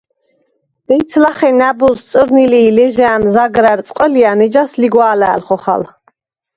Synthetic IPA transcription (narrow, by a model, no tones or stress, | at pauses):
d̪̥ɛjt̪sʰlaχɛnæbust̪sʼɾniliːlɛʒɛːmzaɡɾæɾt̪sʼqʼəlianɛd͡ʒasliɡwaːlæ̰ːlχɔχa̰l